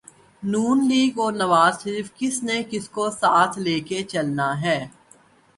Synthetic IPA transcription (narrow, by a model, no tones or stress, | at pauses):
nuːnliːɡɔːɾnɐʋaːzʃəɾiːfkɪsnekɪskosaːt̪ʰleːket͡ʃɐlnaɦɛː